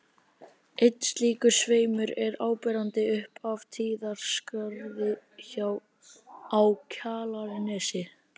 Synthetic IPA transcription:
ejt̪n̥sliːkʏ̥sveːjmʏɾɛɾaːwpɛːɾant̪ɪʏhpavt̪ʰiːðaɾ̥skaɾðɪçaw | awcʰaːlaɾɪnɛːsɪ

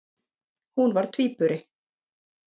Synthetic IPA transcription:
hunvaɾ̥t̪ʰviːpʏɾɪ

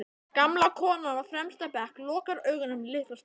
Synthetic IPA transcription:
kamlakʰɔːnaafɾɛmst̪apɛhklɔːkaɾœːɥɣʏnʏmlɪhkas

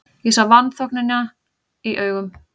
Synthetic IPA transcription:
jɛsavant̪θɔk̚nana | iʔœːɥɣʏm

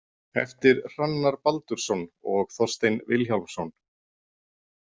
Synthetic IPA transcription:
ɛ̰ft̪ɪɾr̥anːaɾpalt̪ʏɾ̥sɔnɔɣθɔr̥st̪ejnvɪlçalsɔn

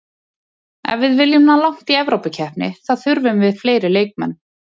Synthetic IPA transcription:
ɛ̰nvɪðvɪljʏmnalawŋ̥t̪iɛvɾowpacʰɛhpnɪ̰θaðθʏɾvʏmvɪðfleːjɾɪleːjk̚mɛ̰nː

